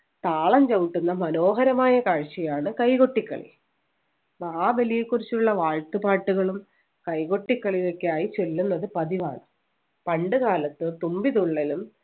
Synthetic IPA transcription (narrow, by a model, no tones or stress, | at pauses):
t̪aːɭɐmt͡ɕɐwuʈːunːɐmɐno̞ːɦɐɾɐmaːjɐkaːɻt͡ɕijaːɳɨkɐjko̞ʈːikːɐ̰ɭḭ | aːʋɐlijekurit͡ɕːuɭːɐʋaːɻt̪upaːʈːuɣɐɭum | kɐjko̞ʈːikːɐɭiðokːeaːjit͡ɕe̞lːunːɐðɨpɐðiʋaːɳɨ | pɐɳɖɨɣaːlɐt̪ːɨt̪umbiðuɭːilum